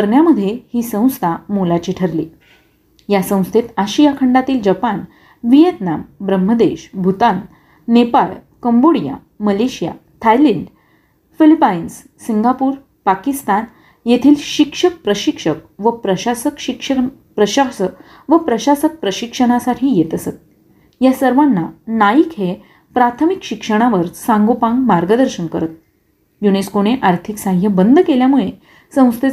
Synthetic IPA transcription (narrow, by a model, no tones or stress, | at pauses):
kəɾɳjaməd̪ʱːjehiːsə̃w̃st̪ʰamolat͡ɕiːʈʰəɾliː | jasə̃w̃st̪ʰet̪aɕijakʰəɳɖat̪iːld͡ʑəpan | ʋijət̪nambɾəmːəd̪eɕbʱut̪anː | epalkəmboɽija̰ | məleɕija̰t̪ʰajliɳɖ | filipainsːiŋɡapuːɾ | pakist̪an | jet̪ʰiːlɕikʂək̚pɾəɕikʂək̚ʋəpɾəɕasəkɕikʂə | pɾəɕasə | ʋəpɾəɕasək̚pɾəɕikʂəɽ̃asaʈʰiːjet̪əsət̪̚ | jasəɾʋanːanaikɦe | pɾat̪ʰəmikɕikʂəɽ̃aʋəɾsãŋɡopãŋɡmaɾɡəd̪əɾɕənkəɾət̪̚ | juneskoneʔaɾt̪ʰiksãŋjəbənd̪ʱkeljamuɭe | sə̃w̃st̪e